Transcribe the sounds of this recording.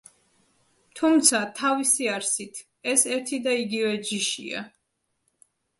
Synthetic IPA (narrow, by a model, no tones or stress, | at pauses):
t̪ʰumt̪sʰat̪ʰavisiaɾsit̪ʰ | ɛsɛɾt̪ʰid̪aiɡivɛd͡ʒiʃḭa̰